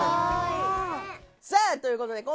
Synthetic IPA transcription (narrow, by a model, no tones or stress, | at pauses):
zet̪o̞jɯ̟ːko̞t̪o̞d̪e̞kõ